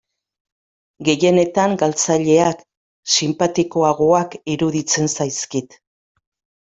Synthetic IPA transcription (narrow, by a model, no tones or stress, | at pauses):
ɡe̞je̞ne̞t̪aŋɡalt͡saʎe̞ak | simpat̪iko̞aɣo̞akiɾuðit͡se̞nsajskit̪